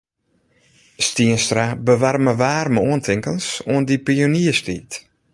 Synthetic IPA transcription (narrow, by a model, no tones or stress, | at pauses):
stiənstrabəʋarməʋaːrməuəntʰɪŋkənsuəndipioniəstḭːt